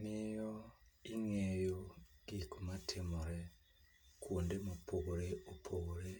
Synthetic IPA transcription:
nijoiŋejoɡikumatʰemuɾe | kʰuːndimupoɣuɾeupʰoɣuɾe

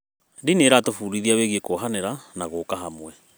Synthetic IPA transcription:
dineːɾatofuɾiðiaweɣekoɦaneɾanaɣoːkaɦamwɛ

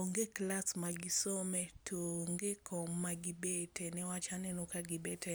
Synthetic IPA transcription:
oŋɡeklasmaɡɪsomɛtʰoŋɡekʰɔmːaɡɪbetɛnɛwat͡ʃanɛnokaɡɪbɛtɛ

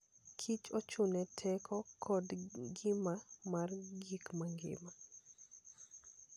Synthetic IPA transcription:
kʰit͡ʃot͡ʃʊnɛtʰɛkʰɔkʰɔdɡɪmamarɡikmaŋɡɪ̰ma

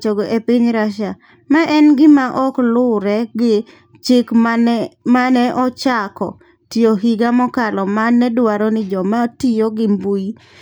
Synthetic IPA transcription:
t͡ʃoɡoʔepɪɲɾaʃa | maʔɛnɡɪmaʔɔklʊɾɛɡɪ | t͡ʃɪkmmanɛʔɔt͡ʃakɔ̰ | tijoɦiɡamɔkalɔmanːɛdwaɾɔnɪd͡ʒɔmatijoɡɪmbui

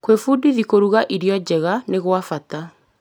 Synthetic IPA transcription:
kwefudiðikoɾuɣaʔiɾjɔd͡ʑɛɣaneɣwafata

